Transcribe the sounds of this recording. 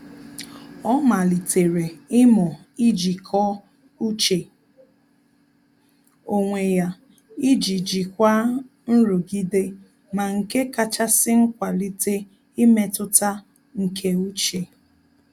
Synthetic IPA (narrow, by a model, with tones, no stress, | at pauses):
ɔ˦ma˨li˨te˨ɾe˨ɪ˦mɔ˨ | i˦d͡ʒi˨kʰɔ˦ | u˦t͡ʃe˨ | o˨ŋʷe˨ja˨ | i˦d͡ʒi˨d͡ʒi˨kʷa˦ | n̩˦ɾʊ˨ɡi˦de˦ | ma˨ŋ̩˨ke˦ka˦t͡ʃa˦sɪ˦ŋ̩˦kʷa˨li˦te˦ | i˦me˦tʊ˦ta˦ | ŋ̩˨kʰe˦u˦t͡ʃe˨